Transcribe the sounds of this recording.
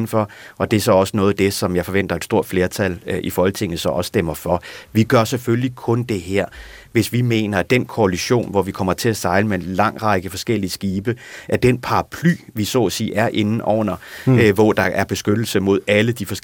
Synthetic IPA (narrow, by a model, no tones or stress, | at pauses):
n̩fɒ̽ʔɒ̽d̥e̝æɐsɒ̽ɒ̽sənɔ̽ːð̞̩ˠd̥e̝sɒ̽mjɑɪfɒ̽ʋen̰d̥ɐed̥sd̥o̝ɐ̰d̥fle̝ːɐt͡sʰælʔifɒhɒ̽lt͡sʰe̝ŋ̰ð̩ˠsɒ̽ɒ̽ssd̥em̰ɐfɒ̽ʋiɡ̥ɶɐseføllikʰɔ̽nd̥e̝ɦæɐ̰ | ʋe̝sʋime̝̰ːnɐd̥enkʰo̝æliɕo̝̰ːnʋɒʋikʰɒ̽m̰ɐt͡sʰe̝læsɑ̈ɪləmeenlɑ̈ŋ̰ʁɑ̈ɪɡ̥əfɒ̽sɡ̥el̰isɡ̥iːb̥əʔæɐd̥enpʰɑ̈ɑ̈pʰly̰ːʋisɔ̰sḭːæɐʔe̝nn̩ʔɒʊ̰nɐʋɒd̥ɑ̈ʔæɐb̥e̝sɡ̥ød̥l̩səmo̝ð̞̰ˠæləd̥ifɒ̽s